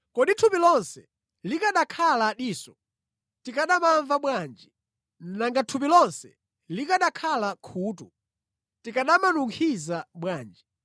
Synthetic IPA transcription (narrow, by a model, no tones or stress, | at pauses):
kɔɗitʰupilɔnsɛ | likaɗakʰalaɗiːsɔ̥ | tikaɗamaɱvaɓwaːnd͡ʒi | n̩naŋɡatʰup̬ilɔnsɛ | likaɗakʰalakʰuːtu | tikaɗamanuŋkʰizaɓwaːnd͡ʒi